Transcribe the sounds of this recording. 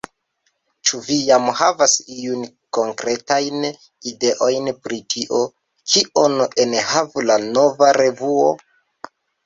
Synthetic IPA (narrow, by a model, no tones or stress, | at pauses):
t͡ʃuvijamhavasijun | koŋkɾe̞tajn | ide̞ʔo̞jnpɾitʰiʔo̞ | kʰiʔonuʔenhavulano̞vaɾe̞vuo̰